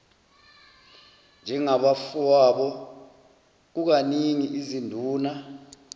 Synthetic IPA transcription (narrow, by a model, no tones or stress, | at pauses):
nd͡ʒʱɛŋaɓafuwaɓɔ | k̬uk̬aniŋiʔizindʱuːna